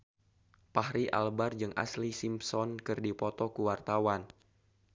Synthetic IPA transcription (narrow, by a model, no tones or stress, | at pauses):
pahɾiʔa̰lbard͡ʒɨŋʔa̰slisimpsɔnkɨrdipɔt̪ɔkuwart̪awan